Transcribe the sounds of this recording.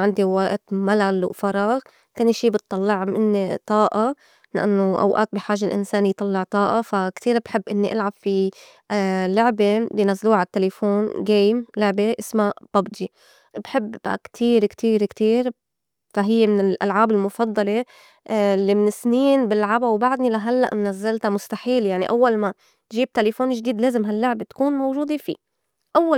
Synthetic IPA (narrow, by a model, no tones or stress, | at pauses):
ʕɪnd̪iwaʔt̪malalwfɑɾˤɑːɣ | kʊnːʃiːbɨt̪ˤːɑlːɪʕmɪ̰nːit̪ˤɑːʔɑ | la̰ʔanːoʔa̰wʔa̰ːt̪̚bɪħaːʒalʔɪ̰nsaːnijt̪ˤɑlːɪʕt̪ˤɑːʔɑfakt̪iːɾbħɪbːʔɪnːiʔalʕabfi | lʊʕbebinazluːʕat̪ːelefoːnɡeːmlʊʕbeʔɪsmab̥abd̪i | bħɪbːa̰kt̪ʰiːɾkt̪ʰiːɾkt̪iːɾ | faɦɪjːemɪnɪlʔa̰lʕaːbɪlmʊfɑd̪ˤːɑle | lːimɪnɪsniːnbɪlːʕabawbaʕd̪nilaɦalːa̰ʔmɪnazːalt̪amʊst̪aħiːljaʕniʔawːalma | ʒiːb̚t̪elefoːnʒd̪iːd̪leːzɪmɦalːʊʕbet̪kuːnmowʒuːd̪efḭː | ʔawːa